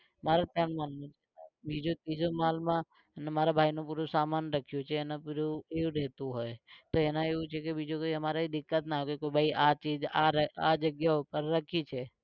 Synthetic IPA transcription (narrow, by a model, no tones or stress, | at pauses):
maːɾat̪jaːnmaːlnũt͡ʃʰebʱid͡ʒot̪iːd͡ʒomaːlmã | namaːɾabʱaːinõpuːɾosaːmaːnɾəkʰijot͡ʃʰeenapuɾoeːuɾeːt̪uɦoːet̪oenaeːut͡ʃʰekebiːd͡ʒokoiɦəmaːɾaid̪ɪkːət̪naːɦkoikoːibʱaːiʔat͡ʃiːd͡ʒaad͡ʒəɡjaʊpəɾːəkʰit͡ʃʰe